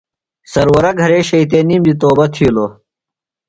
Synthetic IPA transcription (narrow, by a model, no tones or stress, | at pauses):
sɐɾwɐɾɐɡʱɐɾeːɕɐit̪̬eːniːmd̪it̪oːbɐt̪ʰiloː